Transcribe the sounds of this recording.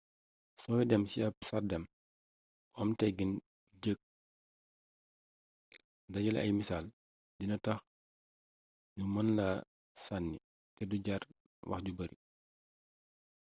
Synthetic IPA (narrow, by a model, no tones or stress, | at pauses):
sɔwɛdɛmsiɐp̚sadɛm | ʔɔmtɛɡin | ɟək̚ | dɐɟɐlʔɐ̰jmisaːl | dinɐtɐx | numɐnla | sanːi | tɛduɟar | wɐ̰xɟubɐɾi